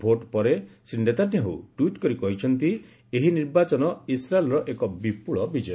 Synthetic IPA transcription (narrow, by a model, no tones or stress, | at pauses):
bʱoʈpɔɾesɾiɳɖet̪ad̪ʱjaɦṵʈwiʈkɔɾikɔɦit͡ʃʰɔnt̪i | eɦiniɾbat͡ʃɔnɔisɾaelɾɔʔekɔbipuɭɔbid͡ʒɔj